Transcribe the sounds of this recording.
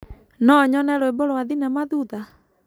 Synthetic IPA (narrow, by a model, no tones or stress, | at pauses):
nɔɲɔnɛɾoeboɾowaðinɛmaðuða